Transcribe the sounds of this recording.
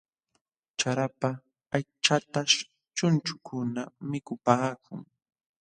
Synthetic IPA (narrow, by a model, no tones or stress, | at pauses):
t͡ʃaɾapa | ajt͡ʃat̪aʃ | t͡ʃʊnt͡ʃʊ̥kʰʊnamɪkʊpaːkʊŋ